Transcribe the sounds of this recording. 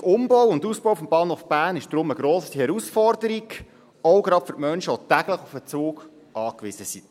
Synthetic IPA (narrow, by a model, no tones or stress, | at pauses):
ʊmbɔwʊnduspɔwfɔmb̥ɑːnhofb̥æːɾnɪʃd̥ɾʊməɡɾoːsihɛɾusfɔɾdəɾiɡ | ɔwɡɾɑd̥fʏɾmœnʃəɔtæɡləχufət͡suːɡ | ʔɑːkʋɪzəsi